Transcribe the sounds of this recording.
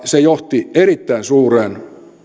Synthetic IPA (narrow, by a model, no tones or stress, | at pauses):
sejoht̪ierit̪ːæinsuːreːn